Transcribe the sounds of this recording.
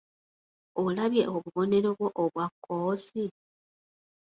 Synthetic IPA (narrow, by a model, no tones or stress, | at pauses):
olaβje̞oβuβo̞ne̞ɾo̞βwoʔoβwakʰːoːsi